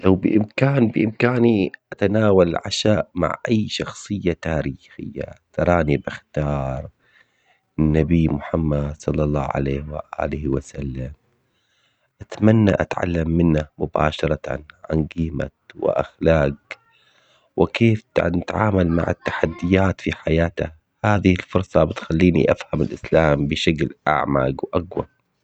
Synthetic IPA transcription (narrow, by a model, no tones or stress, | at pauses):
lawbɪʔɪmkaːnbɪʔɪmkaːniʔat̪anaːwalʕa̰ʃaːʔma̰ʕʔajʃɑxsˤɨjːat̪aːɾiːxɪ̰jːa̰t̪ɑɾˤɑːnibɪxt̪ɑːɾˤ | ɪnːabiːmʊħamːad̪sˤɑlːɑlˤːɑːʕa̰leːhwa̰ʔa̰ːlɪhwasalːam | ʔat̪manːa̰ʔa̰t̪ʕa̰lːamːɪnːamʊba̰ːʃɑɾˤɑt̪a̰nʕa̰nɡiːma̰wɪ̰ʔa̰xlaːɡ | wɪkeːft̪nɪt̪ʕaːmalma̰ʕɪ̰t̪ːḁħad̪ːɪjaːt̪fiħajaːt̪a | haːðɪhɪlfʊɾˤsˤɑbɪt̪xalːiːnḭʔafhamɪlʔɪslaːmbɪʃaklʔa̰ʕma̰ɡwʔaɡwa